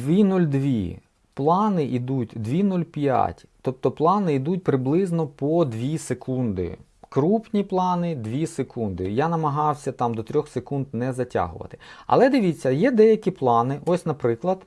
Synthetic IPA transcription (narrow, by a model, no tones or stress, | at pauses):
ʋʲinulʲd̪ʋʲḭ | plˠɑnɪʔid̪utʲd̪ʋʲinulʲpʲja̰tʲt̪ɔp̚t̪ɔplˠɑnɪid̪ut̚ʲpɾɪblˠɪznɔpɔd̪ʋʲisekʰund̪ɪ̰ | kɾupnʲiplˠɑnɪd̪ʋʲisekund̪ɪjanɐmɐɦɑwsʲɐt̪ɑmd̪ɔt̪ɾʲɔxsekund̪nɛzɐtʲa̰ɦʊ̰ʋɐ̰t̪ɪ̥ɐ̰lˠɛd̪ɪʋʲit͡sʲːɐjɛd̪ɛjɐkʲiplˠɑnɪʔɔsʲnɐpɾɪklˠɐd̪